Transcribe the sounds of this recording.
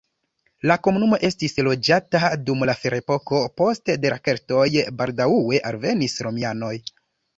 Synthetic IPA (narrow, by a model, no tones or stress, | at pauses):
lako̞munumo̞ʔe̞stislo̞d͡ʒatadumlafeɾaepo̞ko̞po̞stedeɾʔake̞ɾto̞jbaldaue̞ʔalve̞nisɾo̞miano̞j